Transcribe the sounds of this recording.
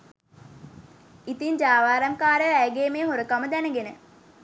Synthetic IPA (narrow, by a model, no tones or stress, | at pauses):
it̪iɲd͡ʒaːʋaːɾamkaːɾəæjɡeːmeːɦoɾəkaməd̪ænəɡenə